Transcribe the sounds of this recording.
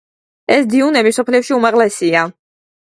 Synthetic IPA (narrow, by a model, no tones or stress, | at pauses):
ɛsd̪iunɛbisɔpʰliɛfʃiumaʁlɛsia